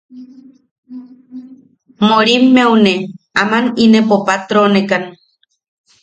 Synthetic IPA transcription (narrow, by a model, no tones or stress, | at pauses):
moɾimːewneamaninepopat̪ɾonekan